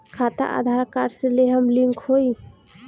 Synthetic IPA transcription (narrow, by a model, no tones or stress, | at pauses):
kʰat̪a̰ʔa̰d̪ʱaɾkaɾseleɦəmliŋkʰhoj